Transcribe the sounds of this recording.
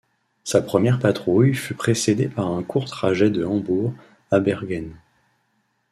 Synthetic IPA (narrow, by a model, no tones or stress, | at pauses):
sapχəmjɛʁpat̪χujfypχesed̪epaʁɛ̃kʰuʁt̪χaʒɛd̪əɑ̃buʁ | abɛʁɡʲɛn